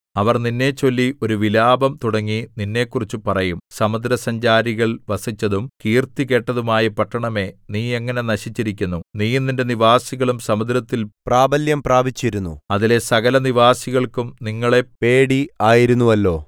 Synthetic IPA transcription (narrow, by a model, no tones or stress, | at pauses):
ɐʋɐrninːe̞t͡ɕːo̞lːio̞ɾuʋilaːbɐmt̪uɽɐŋːininːe̞kːurit͡ɕːupɐrɐjumsɐmɐd̪ɾɐsɐɲd͡ʑaːɾiɣɐɭʋɐsit͡ɕːɐðumkiːrt̪ike̞ʈːɐðumaːjɐpɐʈːɐɳɐme̞niːeŋːɐne̞nɐɕit͡ɕːiɾikʲːunːuniːenːinde̞niʋaːsiɣɐɭumsɐmɐd̪ɾɐt̪ːilpraːbɐljɐmpraːbit͡ɕːiɾunːṵɐðile̞sɐɣɐlɐniʋaːsiɣɐɭkumniŋːɐɭe̞pe̞ːɽiaːjiɾunːuʋɐlːo̞ː